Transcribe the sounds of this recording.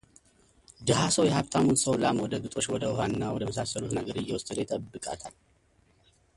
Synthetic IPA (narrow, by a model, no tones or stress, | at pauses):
d̪əɦasəwjɛhaβt̪ʰamunsəwlamwɔd̪əɡɨt̪ʼo̞t͡ʃːwɔd̪əʊɦanːawɔd̪əməsasːəlut̪nəɡəɾɨjːɛwʊst̪ʼɨd̪ejt̪ʼəbːɨkʼa̰t̪ʰal